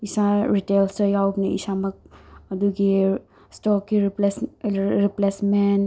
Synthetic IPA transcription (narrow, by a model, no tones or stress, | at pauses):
isaɾitelsɐjawbnɐḭsamɐk̚ɐd̪uɡi | stɔkːiɾilesɾiplesmen